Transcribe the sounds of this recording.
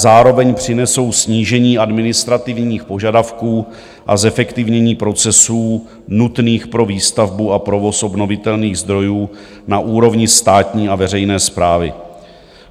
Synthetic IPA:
zaːɾo̞vɛɲpr̝̥ɪnɛso̞wsɲiːʒɛɲiːadmɪnɪst̪ɾat̪ɪvɲɲiːxpo̞ʒadafkuː | ʔa̰zɛfɛkt̪ɪvɲɛɲiːpɾo̞t͡sɛsuː | nut̪niːxpɾo̞viːst̪avbuapɾo̞vo̞sʔo̞bno̞vɪt̪ɛlniːɣzd̪ɾo̞juː | naʔuːɾo̞vɲɪst̪aːt̪ɲiːavɛr̝ɛjnɛːspɾaːvɪ̰

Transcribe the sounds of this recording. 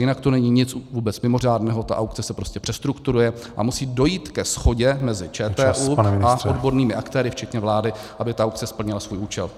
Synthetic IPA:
jɪnakt̪onɛɲɪɲɪt͡svuːbɛt͡smɪmo̞r̝aːdnɛɦo̞t̪a̰ʔawk̚t͡sɛsɛpɾo̞scɛpr̥ɛst̪ɾukt̪uɾujɛ | ʔa̰musiːdo̞jiːt̪kɛsxo̞ɟɛmɛzɪt͡ʃɛːt̪ɛːʔuːpanɪnaodbo̞ɾniːmɪʔakt̪ɛːɾɪft͡ʃɛt̪ɲɛvlaːdɪʔabɪt̪aʔawk̚t͡sɛspl̩ɲɪlasvuːjʔuːt͡ʃɛ̰l

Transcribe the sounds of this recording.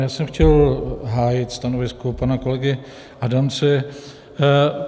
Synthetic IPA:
jaːsɛmxcɛlɦaːjɪt̪st̪anovɪskopanakolɛɡɪ | ʔadamt͡sɛ

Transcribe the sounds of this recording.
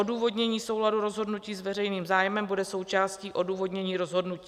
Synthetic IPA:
oduːvo̞dɲɛɲiːso̞wladuɾo̞zɦo̞dnuciːzvɛrɛjniːmzaːjmɛmbudɛso̞wt͡ʃaːsciːʔo̞duːvo̞dɲɛɲiːɾo̞zɦo̞dnuciː

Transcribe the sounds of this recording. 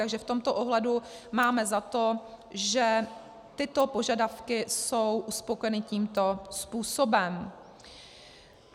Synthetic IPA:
t̪aɡʒɛft̪o̞mt̪o̞ʔoɦlɛdu | maːmɛzat̪o̞ | ʒɛ | t̪ɪt̪o̞po̞ʒadafkɪso̞wʔuspo̞kojɛnɪciːmt̪o̞spuːso̞bɛm

